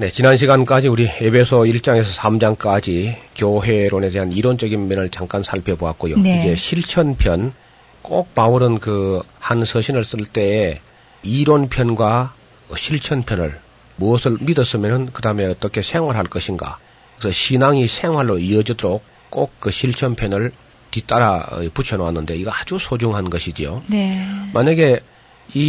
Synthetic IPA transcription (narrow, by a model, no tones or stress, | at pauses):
ne̞t͡ɕinanɕ̬ʰiɡank͈ad͡ʑiuɾie̞bʰe̞sʰoiɭt͡ɕ͈aŋe̞sʰʌsʰamd͡ʑaŋk͈ad͡ʑikjoɦe̞ɾoneteɦaniɾont͡ɕ͈ʌɡinmʌnɯɭt͡ɕaŋk͈ansʰaɭpʰe̞boak̚k͈ojonid͡ʑe̞ɕʰiɭt͡ɕʰʌnpʰjʌn | k͈ok̚pauɾɯnkɯhansʰʌɕʰinɯɭs͈ɯɭt͈e̞ː | iɾonpʰjʌnɡwa | ʌɕʰiɭt͡ɕʰʌnpʰjʌnɯ̰ɭ | muʌsʰɯɭmidʌs͈ɯmjʌnɯnkɯdame̞ʌt͈ʌkʰe̞sʰe̞ŋwaɾɦaɭk͈ʌɕʰinɡa̰ | ksʰʌɕʰinaŋisʰeŋɦaɭːoiʌd͡ʑidoɾok͈̚ː | ok̚kːɯɕʰiɭt͡ɕʰʌnpʰjʌnɯɭ | tit͈aɾa̰put͡ɕʰʌnoanːɯnde̞iɡaad͡ʑusʰod͡ʑuŋɦanɡʌɕʰid͡ʑionemaɲaɡe̞ | i